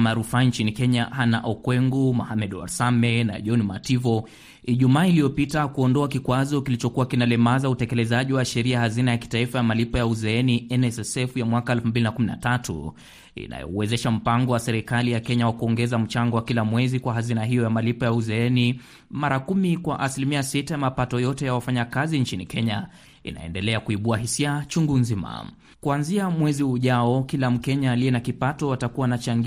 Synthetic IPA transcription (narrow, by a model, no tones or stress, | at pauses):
maɾufant͡ʃinikɛɲahana̰ʔɔkwɛŋɡumɔhamɛɗwa̰ɾsamɛna̰ʄɔnmativɔ | iʄumaːilijɔpitakuɔndɔakikwazɔkilit͡ʃɔkuwakinalɛmazautɛkɛlɛzaʄiwaʃɛɾiahazinajaki̥taifajamalipɔjauzɛɛniɛnɛsɛsɛfjamwakaɛlfum̩bilinakumina̰tatṵ | ḭna̰jɔ̰uwɛzɛʃam̩paŋɡɔwasɛɾikalijakɛɲawakuɔŋɡɛzam̩t͡ʃaŋɡɔwakilamwɛzikwaɦazinaɦijɔjamalipɔjauzɛɛni | maɾakumikwaʔasilimiasitajamapatɔjɔtɛjawafaɲakazint͡ʃinikɛɲa | ḭna̰ɛ̰ndɛlɛakuiɓuaɦisiat͡ʃuŋɡunzima̰ | kuanziamwɛziuʄaɔkilam̩kɛɲaːliɛnakipatɔwatakuwanat͡ʃaŋɡ